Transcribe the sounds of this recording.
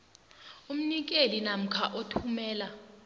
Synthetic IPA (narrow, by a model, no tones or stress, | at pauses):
um̩nik̬elinam̩kʰaʔotʰumɛːla